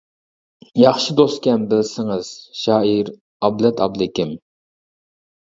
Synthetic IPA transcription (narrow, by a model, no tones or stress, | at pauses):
jɑχʃid̪ost̪kʲɛmbɪlsɪŋɨz̥ʃɑːiɾ | ɑblɛt̪ʰɑ̰blˠɪkʲɪm